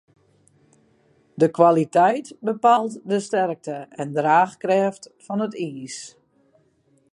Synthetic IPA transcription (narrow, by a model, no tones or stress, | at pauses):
dəkʋalitɛjtbəpaːlˠtdəstɛrk̚təɛndraːxkrɛːftfɔnətiːs